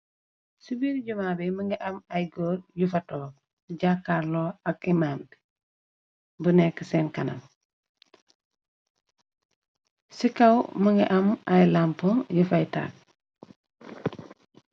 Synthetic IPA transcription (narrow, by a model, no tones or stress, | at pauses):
subiːɾɟumaːbiməŋɡiʔɐmɐjɡɔːɾjufɐtɔː | ɟakːaːɾlɔːɐk̚imam | bunɛkːəsɛːnkɐnɐ̰m | sikawmɐŋɡiʔɐmɐjlampɔjufajta̰ːk̚